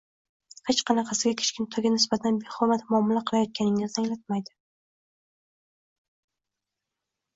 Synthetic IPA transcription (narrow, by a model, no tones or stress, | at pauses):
het͡ʃqʰɑnɑqʰɑsɪɡʲakʲʰe̥t͡ʃkʲɪnt̪ʰɒɡʲanɪsbat̪ʰanbeχɒmat̪mʊɒmːɪlaqʰɨlˠajɒt̪̚kʲʰanɪŋɪzt̪ʰaŋlat̪̚majd̪ɪ